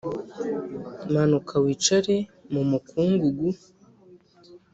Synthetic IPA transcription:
manukʰawiːt͡ʃaɾemumukʰuːŋɡuɡu

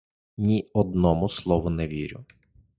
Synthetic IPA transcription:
nʲiɔd̪nɔmʊslˠɔʋʊnɛʋʲiɾʲʊ̰

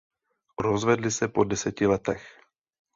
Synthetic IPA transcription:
ɾozvɛdlɪsɛpodɛsɛcɪlɛt̪ɛx

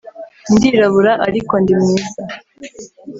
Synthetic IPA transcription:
ndiɾaβuɾaʔaɾiko̞ndimŋiːza

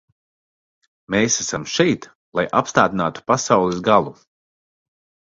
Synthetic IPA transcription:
meːsæsamʃɛjt̪ | lˠajʔapst̪aːd̪inaːt̪u̥pasawlˠɛsɡalˠu

